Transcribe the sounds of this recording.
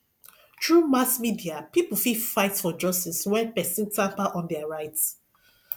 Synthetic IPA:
tɹumasmidiapipl̩fifaɪtfɔd͡ʒʌstiswɛ̃npɛsĩntʰãmpaʔɔ̃ndɛaɹaɪts

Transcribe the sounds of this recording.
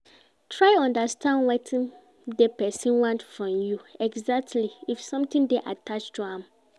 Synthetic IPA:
tʰɹaɪɔ̃ndastʰãndwɛtʰĩn | depɛsĩnwãntfɹɔ̃mjuɛɡzak̚tʰliifsɔ̃mt̪ĩndeʔatʰat͡ʃtʰuãm

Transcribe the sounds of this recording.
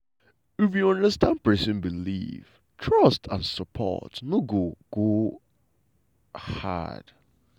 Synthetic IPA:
ɪfjuɔ̃ndəstʰãnpɜ˞sɪ̃nbilḭv̥ | tʰɹʌstʰãnsəpʰɔ̰tnoɡoɡ̥o | ha̰d̥

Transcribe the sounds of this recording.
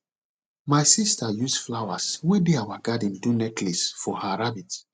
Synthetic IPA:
majsistʰajusflawaswedeawaɡadĩndunɛkʰlisfɔhaɹabit

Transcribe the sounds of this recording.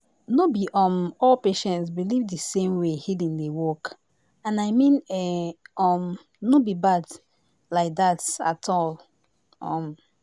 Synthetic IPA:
nobiʔɔ̃mɔlpeʃɛ̃ntsbilivdəsẽmwehidĩŋdewɔk | ãnaɪmĩnɛɔ̃m | nobibad | laɪk̚ðata̰tʰɔl | ɔ̰̃m

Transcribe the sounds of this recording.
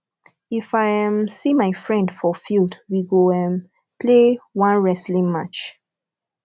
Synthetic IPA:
ifajɛ̃msĩmaɪfɹɛ̃ndfɔfildwiɡoɛ̃m | pʰlewãnɹɛslĩŋmat͡ʃ

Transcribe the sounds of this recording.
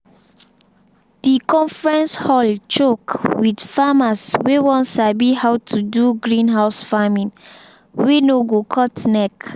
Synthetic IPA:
d̥ikɔ̃nfɹɛ̃nshɔlt͡ʃokwidfamaswewɔ̃ntsabihawtʰuduɡɹĩnɦaʊsfamĩn | wenoɡokʰɔtnɛk

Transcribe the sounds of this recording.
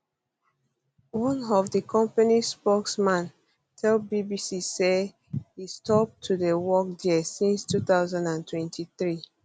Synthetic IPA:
wɔ̃nɔvdəkʰɔ̃mpanispɔksmãn | tʰɛlbibisise | histʰɔp̚tʰudəwɔk̚disĩnstuθaʊzãndãntʰwɛ̃ntʰiθɹi

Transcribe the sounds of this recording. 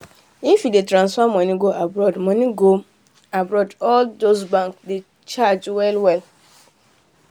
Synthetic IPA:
ĩfidetʰɾãnsamɔ̃nĩɡoʔabɾɔdmɔ̃nĩɡo | abɾɔdɔldos̬bãŋkde | t͡ʃʰad͡ʒwɛlwɛl

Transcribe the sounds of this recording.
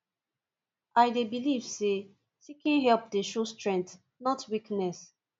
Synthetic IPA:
ajdebiliv̥se | sikĩnɦɛlp̚deʃostɹɛ̃nt | nɔtwiknɛs

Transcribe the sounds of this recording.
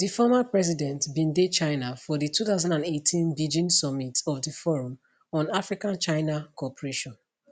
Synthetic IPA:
difɔmapɹɛzidɛ̃ntbĩndet͡ʃãɪnafɔdituθaʊzãndãnetʰĩnbid͡ʒĩnsɔmitɔfdifɔɹɔ̃m | ɔ̃nafɹikãnt͡ʃaɪnakʰɔpɔɹeʃɔ̃n

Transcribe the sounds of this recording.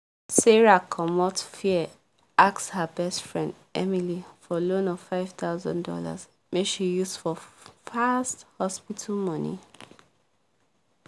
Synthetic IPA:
sɛɹakʰɔmɔtfiɛ | akshəbɛstfɹɛ̃nd | ɛmilifɔlõnɔv̥faɪv̥t̪aʊzɔ̰̃ndɔ̰la̰z | meʃijusfɔfasthɔspitʰəl̩mɔ̃nḭ

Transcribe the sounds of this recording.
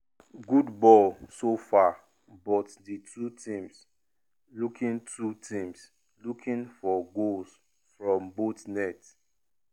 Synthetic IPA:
ɡudbɔlsofa | bɔtditʰutʰĩms | lukʰĩntʰutʰĩms | lukʰĩnfɔɡols | fɹɔ̃mbotnɛt

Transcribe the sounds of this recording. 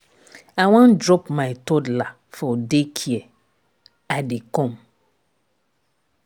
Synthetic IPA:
aw̃ãndɾɔpmãɪtodla | fɔdekʰiɛ | adɪkɔ̃m

